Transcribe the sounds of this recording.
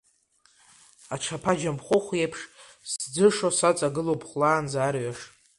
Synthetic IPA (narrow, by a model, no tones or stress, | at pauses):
aʈ͡ʂʰapʰad͡ʒampχʷʊχʷjejpʰʂ | sd͡zɨʂosat͡sʼaɡɨlowpʰχlaːnzaːrɥaʂ